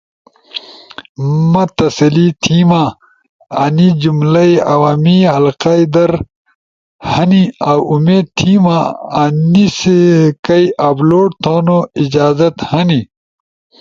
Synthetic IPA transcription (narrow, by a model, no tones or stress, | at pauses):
mɐt̪ɐsɐlit̪ʰiːmaː | anid͡ʑumlɐjɐwaːmihɐlqaid̪ɐɾ | hɐniawumeːd̪̚t̪ʰimaanisekɐjʔɐbloːʈ̚t̪ʰoːnoid͡ʑaːzɐt̪hɐni